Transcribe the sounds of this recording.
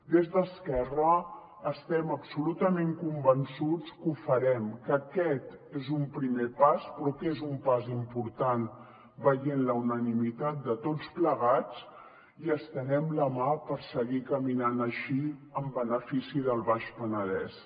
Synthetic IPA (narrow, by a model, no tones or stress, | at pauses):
d̪ezðəskɛrəː | st̪ɛməpsulut̪əmeŋkumbənsut͡skufəɾɛmkəkɛt̪ezumpɾimepaspɾɔkezumpazimpuɾt̪an | bəʎenləunənimit̪at̪̚d̪ət̪ot͡spləɣat͡s | iəst̪ənɛmləmapəɾsəɣikəminanəʃiəmbənəfisiðəlˠβaʃpənəðɛ̰s